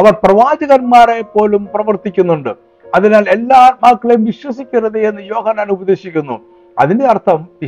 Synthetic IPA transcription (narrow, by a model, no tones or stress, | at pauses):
ɐʋɐrprɐʋaːd͡ʑɐɣɐnmaːre̞pːo̞ːlumprɐʋɐrt̪ikʲːunːuɳɖɨ | ɐðinaːle̞lːaːmaːkːɐɭɐjumʋiɕwɐsikʲːirɐðeenːɨjo̞ːhɐnːaːnubɐd̪e̞ːɕikʲːunːṵ | ɐ̰ðinde̞ɐrt̪ʰɐm